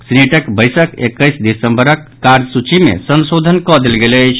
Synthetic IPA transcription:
sneʈəkbəjsəkḛkːəjsd̪isəmbəɾəkːaɾd͡ʒsut͡ʃimḛsənsod̪ʱənkɔd̪elɡelət͡ʃʰ

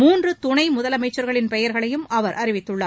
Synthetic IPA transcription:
muːndrɯt̪ʊnɐɪmʊðɐlɐmɐɪt͡ʃːɐɾɣɐɭɪnpɛjɐɾɣɐɭɐjɯmɐʋɐɾʔɐrɪʋɪt̪ːɯɭːɐ

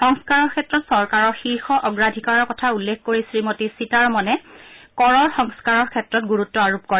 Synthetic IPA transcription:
xɔŋskaɹɔɹkʰɛtɹɔtsɔɹkaɹɔɹxiɹxɔʔɔɡɹadʱikaɹɔɹkɔtʰaulːekʰkoɹisɹimotisitaɹmɔnɛkɔɹɔɹxɔŋskaɹɔɹkʰɛtɹɔt̚ɡuɹutːɔaɹup̚koɹɛ

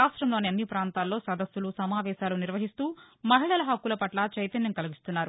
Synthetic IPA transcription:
aːʂʈɾɐmlo̞ːniɐnːipɾaːnt̪aːlːo̞ːsɐd̪ɐsːulusɐmaːʋɛːʃaːluniɾʋɐɦist̪uː | mɐɦiɭɐlɐɦɐkːulɐpɐʈlɐt͡ʃɐjt̪ɐnjɐmkɐliɡist̪unːaːɾu

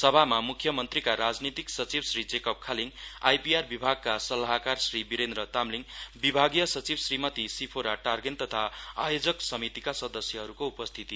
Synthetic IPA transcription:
sʌbʱamamukʰjʌmʌnt̪rikaɾad͡znit̪iksʌt͡sibsrid͡zekʌp̚kʰaliŋajpiarbibʱaɡ̚kasʌlaɦakarsribiɾend̪ɾʌt̪amliŋbibʱaɡjʌsʌt͡sibsrimʌt̪isipʰoɾaʈarɡent̪ʌt̪ʰaajod͡zʌksʌmit̪ikasʌd̪ʌsjʌɦʌɾukoupʌst̪ʰit̪i

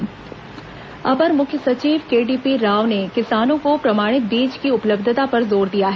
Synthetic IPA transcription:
ɐbəɾmʊkʰjəsɐt͡ʃiːʋkeːɖiːpiɾaːʋnekɪsaːnõkopɾɐmaːɽ̃ɪt̪̚biːd͡ʒkiʊpləbd̪ʱət̪apɐɾzoːɾd̪ijaɦɛː

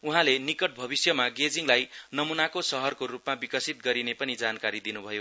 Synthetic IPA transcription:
uɦãlenikʌʈ̚bʱʌbisjʌmaɡed͡ziŋlajnʌmunakosʌɦʌrkorupmabikʌsit̪̚ɡʌɾinepʌnid͡zankaɾid̪inubʱʌjo

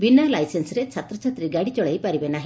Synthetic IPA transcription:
binalajsensɾet͡ʃʰat̪ɾɔt͡ʃʰat̪ɾiɡaɽit͡ʃɔɭejpaɾibenaɦi

